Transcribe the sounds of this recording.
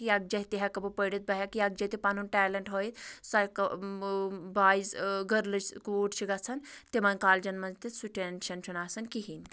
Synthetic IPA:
kijaɡ̚d͡ʒɐɦt̪iɦakɐbupəɽit̪̚bɐɦakijaɡd͡ʒɐt̪ipanunʈɛːlɐɳʈɦoːjt̪sɐk | baːizɡɐɾlɐt͡ʃkːuːʈt͡ʃʰiɡɐt͡sʰɐnt̪emɐnʲkaːld͡ʒɐnmɐnt̪it̪suʈenʃɐnt͡ʃʰunaːsɐnkiɦin

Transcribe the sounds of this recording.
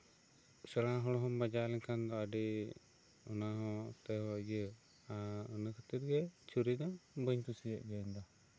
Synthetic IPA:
səɽaɦɔɽɔɦɔmbad͡ʒalɛɲkʰand̪ɔaɖi | ɔnaɦɔ̃t̪ɛɦɔaɡə | aənəkʰət̪iɾɡɛt͡ʃʰuɾid̪ɔbəɲt̪usijɛʔɡɛɲd̪ɔ

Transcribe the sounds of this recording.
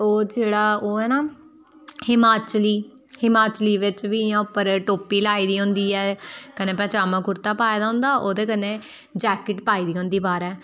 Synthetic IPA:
oːd͡ʒeːɽaːoːɛːnaː | hɪmaːt͡ʃliː | hɪmaːt͡ʃliːʋɪt͡ʃʋiːjãːʊpːəɾʈoːpiːlaːiːd̪iːɦʊ̃nd̪iːɛːkənẽːpɛ̃ːt͡ʃaːmãːkʊɾt̪aːpaːjaːd̪aːɦʊ̃nd̪aːʔoːd̪eːkənẽː | d͡ʒɛːkɪʈpaːiːd̪iːɦõnd̪iːbaːɾɛː

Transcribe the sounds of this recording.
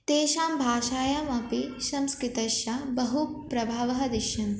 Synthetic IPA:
t̪eːʃaːmbʱaːʃaːjaːmɐpisɐmskɾɪt̪ɐʃjabɐɦupɾɐbʱaːʋɐɦɐd̪iʃjɐn

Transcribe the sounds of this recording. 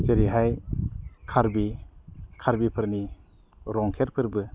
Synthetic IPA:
zeɾiɦaj | kʰaɾbi | kʰaɾbipʰɯɾni | ɾɔŋkʰeɾpʰɯɾbɯ

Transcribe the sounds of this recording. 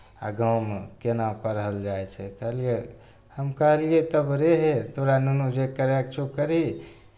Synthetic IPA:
a̰ɡawmekenapəɾɦəld͡ʒajt͡ʃʰɛkəɦəlie | həmkəɦəliet̪əbɾeɦet̪oɾanunud͡ʒekəɾekt͡ʃʰukəɾi

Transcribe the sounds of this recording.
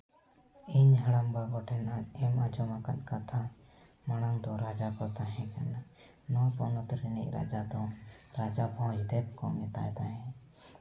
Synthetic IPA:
iɲɦaɽambaɡɔʈʰɛnaɛmad͡ʒɔmakankat̪ʰa | maɽ̃aŋd̪ɔɾad͡ʒakɔt̪aɦɛ̃kana | nɔpɔnɔt̪ɾiniʔ̚ˀɾa̰d͡ʒad̪ɔɾad͡ʒapɔɦɔ̃t͡ʃd̪ɛb̚kɔmɛt̪a̰jt̪aɦɛ̃

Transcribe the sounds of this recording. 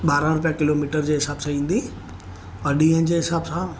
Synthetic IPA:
ɓaːɾãɾʊp̬ijakɪloːmiːʈəɾd͡ʑeːɦɪsaːbsãĩːn̆d̪i | ɐɗiend͡ʑeːɦɪsaːbsãː

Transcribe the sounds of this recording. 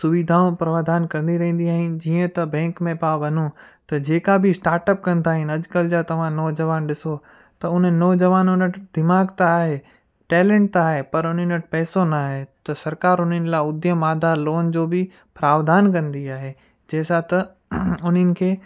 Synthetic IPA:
sʊʋid̪ʱaːõpɾɐʋaːd̪aːnkɐ̃ɾ̃nd̪iɾɐɦĩːnd̪iaːɦɪnd͡ʑiːə̃t̪ɐbɛ̃ːŋkmẽpaːʋɐnũt̪ɐd͡ʑeːkabʱɪsʈaːɾʈəp̚kɐ̃nd̪aːɦɪnɐd͡ʑkəld͡ʑaːt̪ɐʋ̤ãnɔːd͡ʑɐʋaːnɗɪso | t̪ɐʊn̤ənːɔːd͡ʑɐʋaːnʊnəʈʰd̪ɪmaːɡt̪aːɦeː | ʈɛːlẽːɳʈ̚t̪aːɦepɐɾʊn̤ənəʈ̚pɛːsonaːɦet̪ɐsɐɾkaːɾʊnənɪ̆laːʊd̪jəmːaːd̪ʱaloːnd͡ʑoːbɪ | pɾaːʋd̪aːnkɐ̃nd̪iaːɦeː | d͡ʑɛːsat̪ɐ | ʊn̤ənɪ̆kʰeː

